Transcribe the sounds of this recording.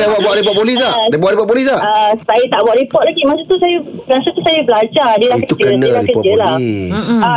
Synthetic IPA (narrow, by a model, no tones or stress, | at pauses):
abwabuaʔɾipɔt̪̚polis̬laabuaʔɾipɔt̪̚polis̬laəsajit̪aʔbuaʔɾipɔt̪̚laɡimasat̪usajəklasat̪usajəbəlad͡ʒadəlahkət̪ud͡ʒənlakəd͡ʒəla | a